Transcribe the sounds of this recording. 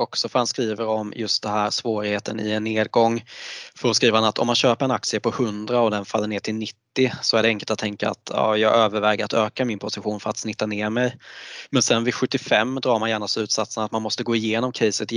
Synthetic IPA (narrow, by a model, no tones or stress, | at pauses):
ɔksɔfœɾhanskɾiːvəɾɔmjɵst̪̚d̪ɛɦæːɾsvoːɾɪheːt̪ʰənɪ̰ɛnːeːd̪̚ɡɔŋːfœɾɔskɾiːvahanat̪ʰɔ̰mhanɕøːpəɾɛnakt̪sɪəpʰɔhɵnd̪ɾaɔd̪ɛnfalːəɳeːʈʰɪlnɪt̪ːɪsɔæɖɛɛŋkəlt̪at̪ʰːɛŋka̰a̰t̪ʰɑ̰ːjɑːɡøːvəɾvɛːɡaɾat̪øːkamɪnpʰʊsɪɧuːnfœɾat̪snɪt̪ːaneːɾmɛjmɛnsɛnvɪɧɵt̪ːɪfɛmːd̪ɾɑːɾmanjæːɳaslʉ̟ːt̪sat̪sənat̪manmɔst̪əɡoːɪjeːnɔmkʰɛjsət̪